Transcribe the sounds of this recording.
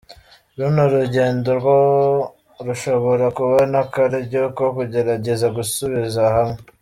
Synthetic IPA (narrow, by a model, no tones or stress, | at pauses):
ɾunuɾuɟe̞ːndoɾɡo | ɾuʃo̞βo̞ɾakuβonakaɾiɟokokuɟe̞ɾaɟe̞zaɡusuβizahamŋe